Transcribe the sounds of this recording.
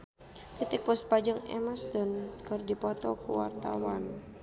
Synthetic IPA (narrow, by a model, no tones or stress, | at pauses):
kit̪ɪk̚pɔspad͡ʒəŋɛ̰mast̪ɔnkɨrdipɔt̪ɔ̰kuwa̰rt̪a̰wan